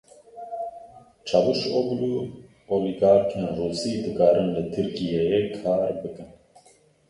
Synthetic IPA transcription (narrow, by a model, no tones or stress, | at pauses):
t͡ʃʰabuʃoːblu | oːliɡaːɾkʰenruːsiːd̪ɨkɑːɾɨnlɨt̪ʰɨɾkijejekʰɑːɾbɨkɨn